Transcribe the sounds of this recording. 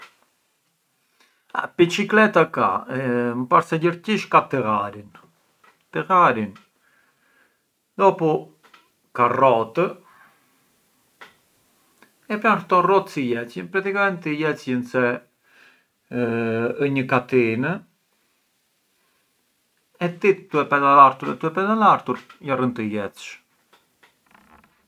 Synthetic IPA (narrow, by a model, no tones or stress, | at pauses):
a̰pit͡ʃiklɛt̪aka̰mpaɾsɛɟəɾciʃkat̪əɣaɾin | t̪əɣaɾin | d̪ɔpu | karɔt̪ə | ɛpɾant̪ɔrɔt̪sijɛt͡sjənpɾat̪ikamɛnt̪ijɛt͡sjənsɛ | əɲəkat̪inə | ɛt̪it̪t̪ːuɛpɛðalaɾt̪uɾɛ̰t̪uɛpɛðalaɾt̪uɾjarənt̪əjɛt͡sʃ